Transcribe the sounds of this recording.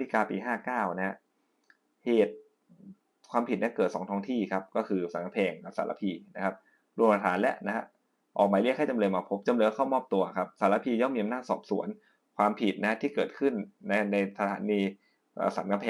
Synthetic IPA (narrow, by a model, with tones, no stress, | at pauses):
tʰi˦˧˩kaː˧piː˧ɦaː˥˩kaː˥˩wna˦˥ha˧ | heː˨˩t̪̚ | kʰwaː˧mpʰi˨˩ni˦˥kɤː˨˩t̪̚sɔː˩˦ŋt̪ʰɔː˧˥ŋt̪ʰiː˥˩kʰa˦˥p̚kɔː˥˩kʰɯː˧sa˨˩˦nka˧mpʰɛː˧ŋka˨˩saː˩˦˥la̰˧˥pʰiː˧na̰˦˥kʰa˦˥p̚ | ɾu˧˩˧pʰa˧t̪ʰaː˩˦nlɛ̰˦˥ʔna˦ha˦˥ | ʔɔː˨˩k̚maː˧li˥˩kʰa˥˩t͡ɕa˧mlɤː˧jmaː˧pʰo˦˥p̚t͡ɕa˧mɤː˧kkʰa˥˩wmɔː˥˩p̚t̪u˧ɐ˩kʰa˦˥p̚saː˩˦la˧˥pʰiː˧jɔ˥˩ŋmiː˧a˧mnaː˥˩t̪̚sɔ̰ː˨˩p̚sṵ˨˩˦ən | kʰwaː˧mpʰi˨˩t̪̚na˦ha˦˥t̪ʰiː˥˩kɤː˨˩t̪̚kʰɯ˥˩nːa˧na˧jsa˧a̰ː˩˦niː˧ | ʔə̰ː˨˩sa̰˨˩˦nka˧mpʰɛː˧